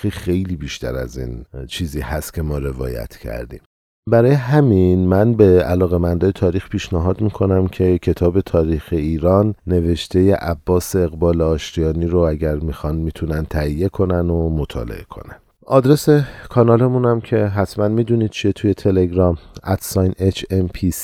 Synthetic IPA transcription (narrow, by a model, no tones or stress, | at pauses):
iːxe̞jliːbiʃt̪ʰæ̰ɾæ̰zḭːnt͡ʃʰiːziːhæst̪kcʰe̞mɒːɾe̞vɒ̰ːjæ̰t̪ʰcʰæ̰ɾd̪ḭːm | bæɾɒːjeɦæminmænbe̞ælɒːɣe̞mænd̪ɒːjet̪ʰɒːɾixpʰiːʃnæɦɒːd̪miːkʰo̞næmcʰe̞cʰe̞t̪ʰɒːbe̞t̪ʰɒːɾiːxe̞iːɾɒːnːe̞ve̞ʃt̪ʰe̞je̞ʔæbːɒːseːɣbɒːleɒːʃɾijɒːniːɾoæɟæɾmixɒnmiːt̪ʰunænt̪ʰæɦije̞kʰo̞nænomo̞t̪ʰɒ̰ːle̞̰ʔe̞̰kʰo̰næn | ʔɒːd̪ɾe̞se̞kʰɒnɒːle̞munæmcʰe̞ɦæt̪ʰmænmiːd̪uniːd̪̥̚t͡ʃʰijet̪ʰuje̞t̪ʰe̞le̞ɡɾɒmæt̪ʰsɒjnet͡ʃʰempʰis